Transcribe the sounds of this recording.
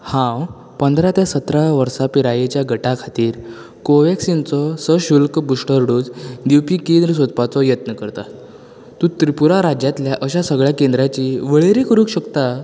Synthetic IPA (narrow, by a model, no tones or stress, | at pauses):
hãw | pənd̪ʱɾat̪jasət̪ɾaʋəɾsapiɾajet͡ɕjaɡəʈakʰat̪iːɾ | koʋeksint͡sɔsəɕulkbuʂʈəɾɽuːd͡zd̪iwpikend̪ɾəs̬od̪pat͡sɔjət̪nəkəɾt̪a | t̪ũt̪ɾipuɾaɾad͡ʑjãt̪ljaʔəɕasəɡɭjakẽnd̪ɾat͡ɕiːʋəɭeɾikʰəɾuːkɕəkt̪a